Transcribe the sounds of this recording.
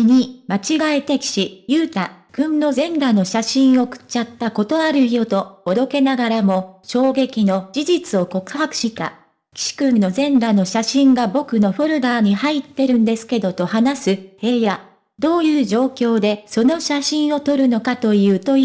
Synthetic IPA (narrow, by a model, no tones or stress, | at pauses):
ɲ̟imat͡ɕiɡaet̪ekʲi̥ɕijɯːt̪akɯ̟̃nno̞zẽ̞ŋɾano̞ɕaɕĩɰ̃o̞kɯ̟̥t͡ɕat̪ːako̞t̪o̞aɾɯ̟io̞t̪o̞ːd̪o̞ke̞naɡaɾamo̞ɕo̞ːɡe̞kʲino̞d͡ʑiʑit͡sɨo̞ko̞kɯ̟̥hakɯ̟̥ɕit̪a̰ | kʲi̥ɕi̥kɯ̟̃nːo̞zẽ̞ŋɡano̞ɕaɕĩŋɡabo̞kɯ̟no̞ɸoɾɯ̟d̪aːɲ̟ihait̪ːe̞ɾɯ̟̃nd̪e̞sɨ̥ke̞d̪o̞t̪o̞hanasɨhe̞ːja | d̪o̞ːjɯ̟ːʑo̞ːkʲo̞ːd̪e̞so̞no̞ɕaɕĩɰ̃o̞t̪o̞ɾɯ̟no̞kat̪o̞jɯ̟ːt̪o